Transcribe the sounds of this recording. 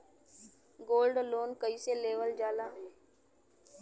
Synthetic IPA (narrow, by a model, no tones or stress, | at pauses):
ɡoːlɖloːnkəiːseːleːʋəld͡ʒaːlaːɦeː